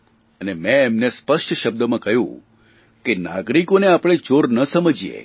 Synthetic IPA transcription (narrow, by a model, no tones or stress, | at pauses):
ənemɛ̃ːmnespəʂʈʃəb̚d̪əmãkəɦjṵ̃ | kenaɡɾikoneapɽ̃et͡ʃoɾnəsəməd͡ʒijḛ